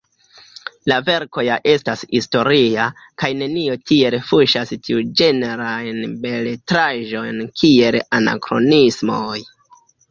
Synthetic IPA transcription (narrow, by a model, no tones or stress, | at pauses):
lave̞ɾko̞jaʔe̞stashisto̞ɾia | kajne̞nio̞tie̞lefuʃastiud͡ʒe̞ne̞ɾajnbe̞letɾaʒo̞jnkʰie̞lana̰kɾo̞̰nismo̞j